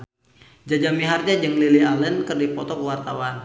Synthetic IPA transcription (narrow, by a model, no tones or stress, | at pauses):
d͡ʒad͡ʒamiɦard͡ʒad͡ʒəŋlilialɛnkərdipɔt̪ɔkəwart̪awan